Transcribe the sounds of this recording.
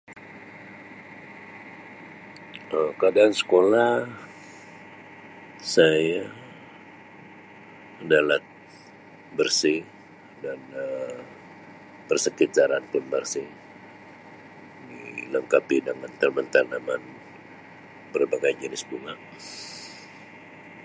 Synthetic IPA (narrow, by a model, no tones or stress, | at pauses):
əkadaːnsə̥kolah | saja | ənalat̪̚ | bərsi | danə | pərsəkitt̪aɾanpʊnbərsi | niləŋkapidəŋant̪ərmənt̪anaman | bərbaŋajnd͡ʒənɪsbuŋaʔ